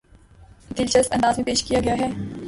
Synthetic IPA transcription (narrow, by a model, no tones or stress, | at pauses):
d̪ɪlt͡ʃəsɐ̃nd̪aːzmẽpeːʃkijaɡɐjaɦɛː